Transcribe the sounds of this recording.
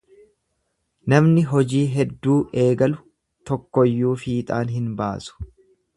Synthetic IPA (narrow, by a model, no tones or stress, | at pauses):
nɐmnɪɦɔd͡ʒiːɦɛd̪ːuːʔe̞ːɡɐlʊ | t̪ɔkːɔjːuːfiːt̪ʼaːnɦɪnba̰ːsʊ̥